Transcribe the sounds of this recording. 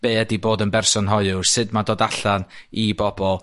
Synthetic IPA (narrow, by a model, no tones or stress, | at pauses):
b̥eːdiboːdənbɛrsɔnɦɔɨʊsɨdmadoːdaɬanibɔbɔlˠ